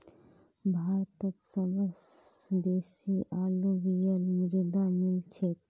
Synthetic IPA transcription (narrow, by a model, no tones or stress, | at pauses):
bʱaːɾt̪ət̪səbəsbeːsiʔaːluʋijəlmɪɾd̪amɪlt͡ʃʰet̪